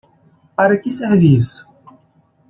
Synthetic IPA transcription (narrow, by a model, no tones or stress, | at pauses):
paɾɐkɪseɾvisʊ̥